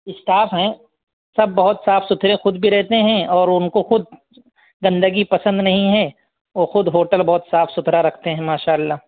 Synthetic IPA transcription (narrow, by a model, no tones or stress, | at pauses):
ɪsʈaːfɦɛ̃ː | sɐbːɐɦʊt̪saːfsʊt̪ʰɾẽxʊd̪bʱiɾɛɦt̪eɦɛ̃ɔːɾʊnkoxʊd̪̚ | ɡɐ̃nd̪əɡipɐsə̃nd̪nɐɦĩɦɛ̃ː | ʋoːxʊd̪ɦoːʈəlbɐɦʊt̪saːfʰsʊt̪ʰɾaɾɐkʰt̪eɦɛ̃maːʃaːɐlːaː